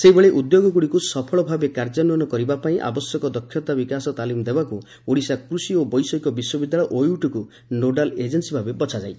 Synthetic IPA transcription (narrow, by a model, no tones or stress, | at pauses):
seibeɭeʔud̪joɡɔkuɽikusɔpʰɔɭɔbʱabekaɾd͡ʒɔnɔnɔkɔɾibapaĩʔa̰bɔsjɔkɔd̪ɔkʰːjɔt̪abikasɔt̪alimd̪ebaku | oɽisakɾusiobɔjsɔikɔbiswɔbid̪ːaɭɔjʔojuʈɔku | noɖaled͡ʒensibʱabebɔt͡ʃʰad͡ʒaj